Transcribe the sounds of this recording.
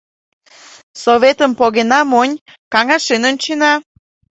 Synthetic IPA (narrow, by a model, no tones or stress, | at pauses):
soβet̪əmpoɣenɑmonʲ | kɑŋɑʃenont͡ɕenɑ